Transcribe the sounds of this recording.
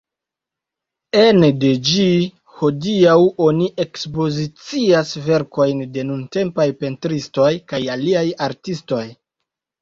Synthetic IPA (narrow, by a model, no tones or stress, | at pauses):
ende̞d͡ʒi | ho̞diawo̞niʔe̞kspo̞zit͡siasve̞ɾko̞jnde̞nunte̞mpajpe̞ntɾisto̞jkajaliajaɾtisto̞j